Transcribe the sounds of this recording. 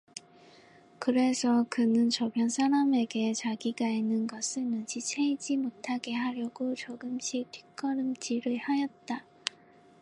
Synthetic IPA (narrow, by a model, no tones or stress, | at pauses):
kɯɾe̞sʰʌkɯnɯnt͡ɕʌbjʌnsʰaɾame̞ɡe̞t͡ɕaɡiɡainːɯnɡʌsʰɯɭnɯnd͡ʑit͡ɕʰeid͡ʑimotʰaɡe̞ɦaɾjʌɡot͡ɕʌɡɯmɕʰik̚tʰɥi̥k͈ʌɾɯmd͡ʑiɾɯɭhajʌt̚t͈a